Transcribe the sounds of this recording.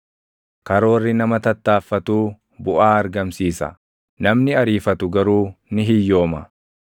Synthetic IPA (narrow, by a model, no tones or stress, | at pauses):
kɐɾo̞ːrːɪnɐmɐt̪ɐt̪ːaːfːɐt̪uː | bʊʔaːɐɾɡɐmsiːsɐ̰ | nɐmnɪɐɾiːfɐt̪ʊɡɐɾuːnɪɦɪjːo̞ːmɐ